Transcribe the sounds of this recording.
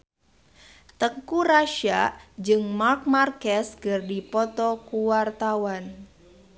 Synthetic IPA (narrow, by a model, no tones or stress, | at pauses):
t̪əŋkuɾaʃaʔd͡ʒɨŋmark̚markɛsɡərdipɔt̪ɔkuwart̪awan